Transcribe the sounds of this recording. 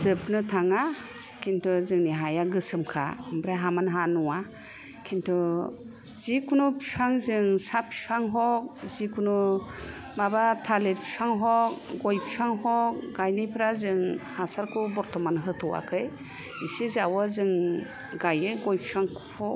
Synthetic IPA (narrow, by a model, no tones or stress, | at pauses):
zɯp̚nɯtʰaŋa | kʰintʰɔzɯŋniɦajaɡɯsɯmkʰa̰ɯmbɾaɦamanɦanɔwa | kʰintʰɔ | z̥ikʰunupʰipʰaŋzɯŋsapʰi̥pʰaŋɦɔk̚zikʰunu | mabatʰalet̚pʰi̥pʰaŋɦɔk̚ɡɔjpʰipʰaŋɦɔk̚ɡajnɯjpʰɾazɯŋhasaɾkʰubɔɾtʰɔmanɦɯtʰɔwa̰kʰɯj | isizawazɯŋ | ɡajɯɡɔjpʰipʰaŋʰhɔ